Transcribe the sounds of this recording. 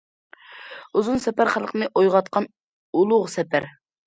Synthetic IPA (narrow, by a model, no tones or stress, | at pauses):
uzunsɛpæɾχælˠqʰənɨʔojʁɑt̪̚qʰɑn | ulˠʊʁsɛpʰæɾ